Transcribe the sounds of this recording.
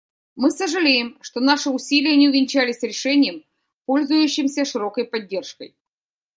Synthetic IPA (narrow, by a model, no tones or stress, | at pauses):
mɨsəʐɨlʲejɪmʂt̪o̞naʂɨʊsʲilʲɪjənʲɪʊvʲɪnʲt͡ɕælʲɪsʲɾʲɪʂɛnʲɪjəm | po̞lʲzʊjʉɕːɪmsʲəʂɨɾo̞kəjpɐdʲːe̞rʂkə̰j